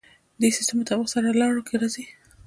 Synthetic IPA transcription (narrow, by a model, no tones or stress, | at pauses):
d̪esi̥st̪emot̪awəxsaɾalɑɽokʰeɾɑzi